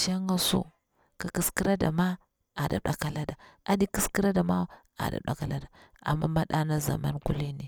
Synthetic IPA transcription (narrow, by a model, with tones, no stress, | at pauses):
ʃa˦ŋɡa˦˨sṵ˦˨ | ka˨ki˨˦ski˦ɾa˦da̰˨ma˦ | a˨da̰˨ɗa˨˦ka˦la˦da˨a˦di˦ki˦ski˦ɾa˦da˨ma˦w | a̰˨da̰˨ɗa̰˦ka˦la˦da˨ | a̰˨mːa˦ma˦ɗa˦na˦za̰˨ma˦nku˦li˦ni˨